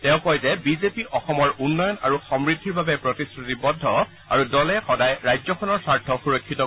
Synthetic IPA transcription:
tɛʊ̃kɔjzɛbizepiʔɔxɔmɔɹunːɔjɔna̰ɹuxɔmɹid̪ʱːiɹbabɛpɹɔtisɹutibɔdʱːɔ | a̰ɹudɔlɛxɔdajɹajzɔkʰɔnɔɹsaɹtʰɔxuɹɔkʰːitɔ

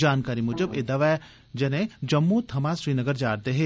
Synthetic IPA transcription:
d͡ʒaːnkaːɾimʊd͡ʒəbeːd̪ɐʋɛː | d͡ʒɐnẽd͡ʒɐmːut̪ʰɐmãsɾiːnəɡəɾd͡ʒaːɾd̪eɦeː

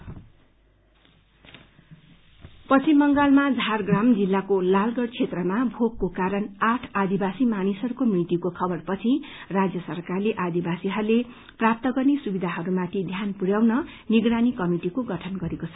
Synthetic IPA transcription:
pʌst͡simːʌŋɡalmad͡zʱarɡramd͡zilːakolalɡʌɽt͡sʰet̪rʌmabʱokkokaɾʌnaʈʰad̪ibasimanisʌɾukomrit̪ikokʰʌbʌrpʌt͡sʰirad͡zjʌsʌrkarleʔad̪ibasiɦʌɾule | prap̚t̪ʌɡʌrnesubid̪ʱaɦʌɾumat̪ʰid̪ʱjanpuɽjawnʌ | niɡɾanikʌmiʈikoɡʌʈʰʌnɡʌɾekot͡sʰʌ

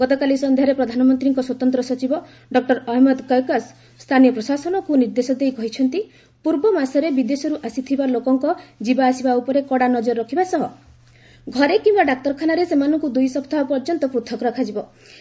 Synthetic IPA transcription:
ɡɔt̪ɔkalisɔnd̪ʱjaɾepɾɔd̪ʱanɔmɔnt̪ɾiŋkɔswɔt̪ɔnt̪ɾɔsɔt͡ʃibɔ | ɖɔk̚ʈɔɾɔɦimɔd̪kɔjkasː | t̪ʰanijɔpɾɔsasɔnɔkuniɾd̪esɔd̪ejkɔɦit͡ʃʰɔnt̪i | puɾbɔmasɔɾebid̪esɔɾuʔasit̪ʰibalokɔŋkɔd͡ʒibaːsibaupɔɾekɔɽanɔd͡ʒɔɾːɔkʰibasɔɦɔ | ɡʱɔɾekimbaɖak̚t̪ɔɾɔkʰanaɾesemanɔŋkud̪ujsɔpʰt̪ʰaɔpɔɾd͡ʒɔnt̪ɔpɾut̪ʰɔkɾɔkʰad͡ʒibɔ

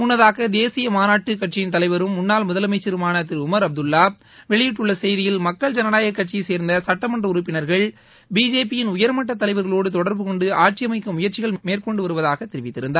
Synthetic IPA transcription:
mʊnːɐðaːɣɐd̪eːsɪjɐmaːnaːʈːɯkːɐʈ̚t͡ʃːɪjɪnt̪ɐlɐɪʋɐɾɯmːʊnːaːlmʊðɐlɐmɐɪt͡ʃːɐɾɯmaːnɐt̪ɪɾʊmɐɾɐb̚d̪ɯlːaː | ʋɛɭɪjɪʈːɯɭːɐsɛjðɪjɪlmɐkːɐɭd͡ʒɐnɐnaːjɐkːɐʈ̚t͡ʃiseːɾnd̪ɐsɐʈːɐmɐɳdrɐʊɾʊpːɪnɐɾɣɐɭ | biːd͡ʒeːp̬ːɪjɪnʊjɐɾmɐʈːɐt̪ːɐlɐɪʋɐɾɣɐɭoːɽɯt̪ɔɽɐɾbɯkɔɳɖɯaːʈ̚t͡ʃɪjɐmɐɪkːɐmʊjɐɾt͡ʃɪɣɐɭmeːrkɔɳɖɯʋɐɾɯʋɐðaːɣɐt̪ːɪɾɪʋɪt̪ːɪɾɯnd̪aːɾ

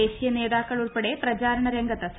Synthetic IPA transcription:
eːɕijɐne̞ːðaːkːɐɭuɭpeɽe̞prɐt͡ɕaːɾɐɳɐɾeŋɡɐt̪ːɐs

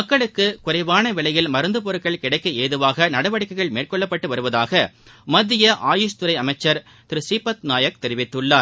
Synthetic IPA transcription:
mɐkːɐɭɯkːɯkʊrɐɪʋaːnɐʋɪɭɐjɪlmɐɾɯnd̪ɯp̬ɔɾɯʈkːɐɭkɪɽɐɪkːɯeːðɯʋaːɣɐnɐɽɐʋɐɽɪkːɐɪɣɐɭmeːrkɔɭːɐpːɐʈːɯʋɐɾɯʋɐðaːɣɐ | mɐd̪ːɪjɐʔaːjɯst̪ʊɾɐɪɐmɐɪt͡ʃːɐɾ | t̪ɪɾɯsiːpːɐt̪naːjɐk̚t̪ɛɾɪʋɪt̪ːɯɭːaːɾ

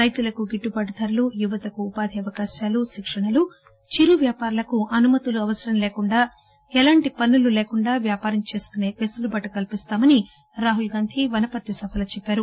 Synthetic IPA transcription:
ɾɐjt̪ulɐkuɡiʈːupɐɽɐd̪ʰʱɐɾulujuʋɐt̪ɐkuːpaːd̪ʱiɐʋɐkaːʃaːluʃikʂɐɳɐlu | t͡ʃiɾuʋjaːpaːɾɐlɐkuʔɐnumɐt̪uluɐʋɐsɐɾɐmleːkuɳɖaː | ɛlaːɳʈipɐnːululeːkuɳɖaːʋjaːpaːɾɐmt͡ʃe̞ːsu̥k̪une̞ːpesulubɐʈːɐkɐlpist̪aːmɐni | ɾaːɦulɡaːnt̪ʰiʋɐnɐpɐt̪ːisɐbʱʰɐlɐt͡ʃɛpːaːɾu

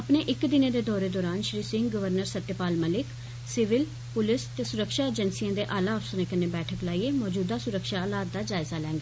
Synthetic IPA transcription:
əpneːʔɪkd̪ɪneːd̪eːd̪ɔːɾeːd̪ɔːɾaːnʃɾiːsɪ̃ŋɡɡəʋəɾnəɾsət̪ːjpaːlməlɪk | sɪʋɪl | pʊlɪst̪eːsʊɾəkʃaːed͡ʒənsijãːd̪eːʔaːlaːəfsəneːkəneːbɛːʈʰəklaːiːeːmɔːd͡ʒuːd̪aːsʊɾəkʃaːlaːt̪̚d̪aːd͡ʒaːɪzaːlɛ̃ːŋɡaː

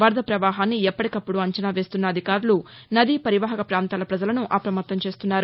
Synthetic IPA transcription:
ʋɐɾd̪ʱɐpɾɐʋaːɦaːnːiɛpːɐʈikɐpːuɽuɐɲt͡ʃɐnaːʋe̞ːst̪unːɐːd̪ʱikaːɾulu | nɐd̪iːpɐɾiʋaːɦɐkɐpɾaːnt̪aːlɐpɾɐd͡ʒɐlɐnuʔɐpɾɐmɐt̪ːɐmt͡ʃe̞ːst̪unːaːɾu

